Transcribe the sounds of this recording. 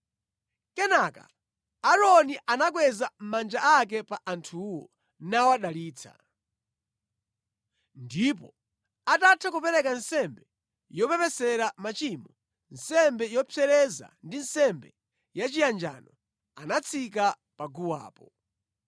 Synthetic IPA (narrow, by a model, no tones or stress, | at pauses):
kɛnaka̰ | aɾɔniʔanakwɛzam̩mand͡ʒaʔak̬ɛpaʔantʰuwɔ | nawaɗaliːt͡sʰa̰ | ndip̬ɔ̰ | atatʰakupɛɾɛkansɛmbɛ | jɔpɛpɛsɛɾamat͡ʃimɔ | nsɛmbɛjɔpʰɛɾɛza̰ndinsɛmbɛ | jat͡ʃijand͡ʒa̰ːnɔ | anat͡sʰika | paɡuwa̰ːpɔ